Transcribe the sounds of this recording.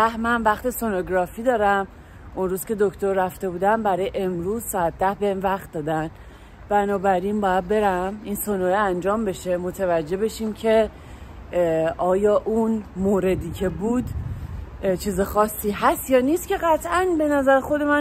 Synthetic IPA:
æhmænvæχt̪e̞so̞noɡɾɒːfiːd̪ɒːɾæm | ʔonɾuːzcʲe̞d̪o̞kʰt̪o̞ɾːæft̪e̞buːd̪æmbæɾɒːjeʔe̞mɾuːzsɒːæt̪̚ʰd̪æhbe̞henvæχt̪̚d̪ɒːd̪æn | b̥ænɒːbæɾinbɒːjæd̪̚be̞ɾæminsonoeænd͡ʒɒːmbe̞ʃe̞mo̞t̪ʰevæd͡ʒːe̞be̞ʃiːmcʰe̞ | ʔɒːjɒːʔunmoːɾe̞d̪iːcʰe̞buːd̪ | t͡ʃʰiːzexɒːsːiːɦæst̪jɒːniːst̪cʰe̞ɣæt̪ʰʔænbe̞næzæɾxo̞d̪e̞mæ

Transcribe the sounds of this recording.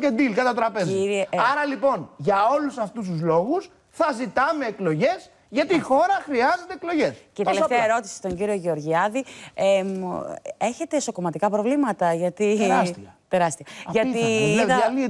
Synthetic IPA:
cend̪ilkɐt̪ɐt̪ɾɐpeziɾɐɾɐlipo̞nʝɐo̞lusɐft̪us̬t̪uzlo̞ɣus | θɐzit̪ɐme̞ːklo̞ʝe̞s | ʝɐt̪iːxo̞ɾɐxɾiɐze̞t̪e̞ːklo̞ʝe̞sceit̪elft̪eɐeɾo̞t̪i̥si̥t̪o̞ɲɟiɾio̞ʝeoɾʝiɐðie | e̞çe̞t̪e̞ːso̞ko̞mɐt̪ikɐpɾo̞vlimɐt̪ɐʝɐt̪ist̪e̞ɾɐst̪iɐʝɐt̪iɐɐli

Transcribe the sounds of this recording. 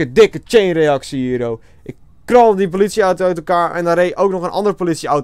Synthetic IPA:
ədɪkət͡ʃejnreɑksiiəɾow | ʔɪkːrɔlˠədip̬olitsjiœɥtœɥtəlˠkaːɹʔɛ̰ndaɾeːʔowknɔxənʔɑ̰ndərpolitsjəaw

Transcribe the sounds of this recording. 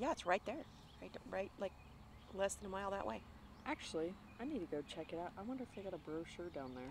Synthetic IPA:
jæɨtsɹaɪt̪̚ðə˞ | ɹaɪtɹaɪt̚laɪk̚ | lɛsðɨ̃nəmaɪlˠðə̰ʔwḛɪ | ʔæk̚t͡ʃul̩ˠi | aɪnid̚tʰɨɡoʊt͡ʃʰɛkɨɾaʊtaɪwʌ̃ndə˞ɨfðeɪɡɑɾəbɹoʊʃə˞dãʊ̃nðə˞

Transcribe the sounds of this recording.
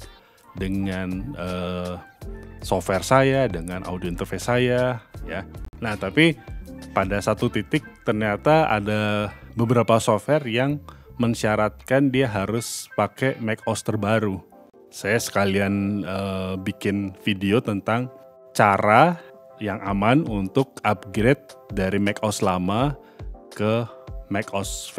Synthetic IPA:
dəŋanə | sofwɛrsajadəŋanʔa̰udioint̪ərfesajajanaht̪apipadasat̪ut̪it̪ɪk̚t̪ərɲat̪aa̰dabəbəɾapasofɛrjaŋməɲʃiaɾat̪̚kandiaɦaɾʊspakemɛk̚ɔst̪ərbaɾu | sajasə̥kalianəbikɪnfideot̪ənt̪aŋ | t͡ʃaɾa | jaŋʔamanunt̪ʊk̚ap̚ɡɾet̪̚daɾimɛkɔslama | kəmɛkɔsf

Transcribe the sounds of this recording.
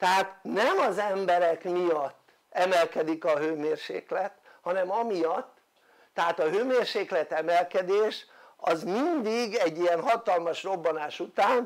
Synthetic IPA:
t̪ɛɦaːt̪nɛmɒzɛmbɛɾɛkmijɒt̪ː | ɛmɛlkɛd̪ikɒɦøːmeːrʃḛːklɛt̪hɒnɛmɒmijɒt̪ː | ɛɦaːt̪ɒɦøːmeːrʃeːklɛt̪ɛmɛlkɛd̪eːʃɒzmind̪iɡɛɟːijɛnɦɒt̪ɒlmɒʃro̞bːɒnaːʃut̪aːn

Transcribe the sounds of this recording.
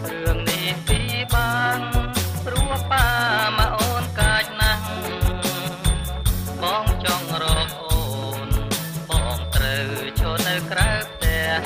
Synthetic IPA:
rɨəŋnihpiːɓaːnpruəhpamaʔoːnkaːc̚nah | ɓɑːŋt͡ɕɑŋrɔːk̚ʔoːn | pɔʔɑːŋt̪rəwt͡ɕʰoːnɨwkrawp̚ʰt̪ɛəh

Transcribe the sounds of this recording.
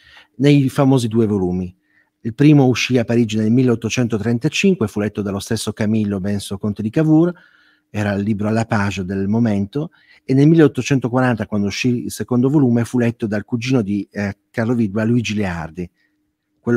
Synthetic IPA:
nejfamoːzid̪uːevoluːmi | ilpɾiːmouʃːiapːaɾiːd͡ʒinelmilːeot̪ːot͡ʃɛnt̪ot̪ɾent̪at͡ʃiŋkwefulɛt̪ːod̪alost̪esːokamilːobɛnsokont̪ed̪ikavur | ɛːɾalːiːbɾoalːapaːt͡ʃed̪elmoment̪o | enːelmilːeot̪ːot͡ʃɛnt̪okwaɾant̪akwand̪ouʃːiilsekond̪ovoluːmefulɛt̪ːod̪alkud͡ʒiːnod̪ikarloviːd̪waluid͡ʒilea̰rd̪i | kwelː

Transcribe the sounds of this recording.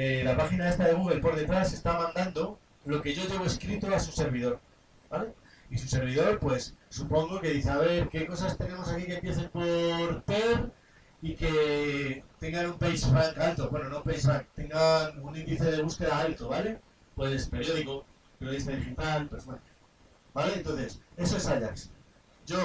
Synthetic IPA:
elapaxinae̞st̪aðe̞ɣ̞uɣ̞e̞lpo̞ɾðe̞t̪ɾase̞st̪amãnd̪and̪o̞ | lo̞ke̞ʝo̞ʝe̞β̞oeskɾit̪oasuse̞ɾβ̞iðo̞ɾ | b̥ale̞ | isuse̞ɾβ̞iðo̞ɾpwe̞sːupo̞ŋɡo̞ke̞ðiθeaβe̞ɾke̞ko̞sast̪e̞ne̞mo̞sakike̞mpje̞θe̞mpo̞ɾp̪eɾ | ike̞ | t̪e̞ŋɡanumpejsfɾaŋkalt̪o̞βwenonopejsakt̪e̞ŋɡanunĩnd̪iθe̞ðe̞βuske̞ðaalt̪oβale̞ | pwespe̞ɾjo̞ðiko | peɾoðist̪aðixit̪alpesma | bale̞ent̪o̞nθe̞se̞soesaʎaks | ɟ͡ʝo̞

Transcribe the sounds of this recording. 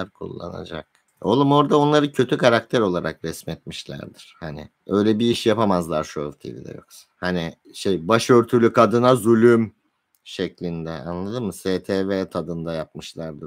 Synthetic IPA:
ɾkʰṵlˠːa̰na̰d͡ʒa̰k̚ | o̰lˠumo̞ɾd̪ao̞nlˠaɾɯcʰø̞t̪ʰykaɾak̚t̪ʰæɾo̞lˠaɾʔakɾɛsmɛt̪̚miʃlʲæ̰ɾd̪iɾ̥hanɪ̰ | ø̞jlʲɛbiiʃjapamazlˠaɾʃuøvt̪ʰḭvḭd̪ɛ̰jo̰ksḁhanɪ | ʃejbaʃø̞ɾt̪ʰylʲykʰad̪ɯnazulʲym | ʃɛclʲind̪ɛa̰nlˠad̪ɯnmɯseːt̪ʰeːvɛt̪ʰad̪ɯnd̪ajap̚mɯʃlˠaɾd̪ɯ

